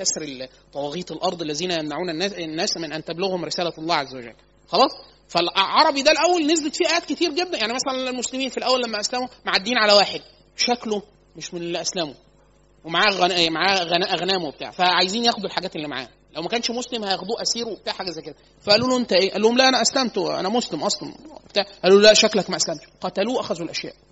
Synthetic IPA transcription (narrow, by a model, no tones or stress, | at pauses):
kæsɾel | t̪ˤːɑwɑɣiːt̪ˤelʔɑɾˤd̪ˤelːæziːnæjæmnaʕuːnænːæːnːæːsmenʔænt̪æbloɣhomɾesæːlæɑlˤːɑːʕazːæwæd͡ʒæ̰lː | xɑlɑːsˤ | fælʕɑɾˤɑbid̪ælʔæwːælnezbet̪fiʔæjæːd̪̚ket̪iːɾɡed̪ːænjaʕnimæsælænelmoslemiːnfilʔæwːælːæmːæʔæslæmomaʕad̪ːiːnʕalæwaːħed̪̚ | ʃæklo | meʃmenelːiʔæslæmo | wemaʕaːɣæemaʕaːɣænæʔæɣnæːmowbet̪a̰ʕfæʕajziːnjæːxod̪elħaɡæːt̪elːimaʕa̰ːh | læwmækæːnʃmoslemhæjæxd̪uːʔæsiːɾwebet̪aːʕħaɡæzæjked̪æ | fæʔælːuːloʔent̪æʔeːʔælːuːhomlæʔænæʔæslæmt̪wḛʔæ̰næmoslemʔɑsˤlɑ̰nbet̪aːʕʔælːuːlolæʔʃæklækmæʔæslæmt̪ʃqɑt̪æluːʔæxæzuelʔæʃjæ̰ːʔ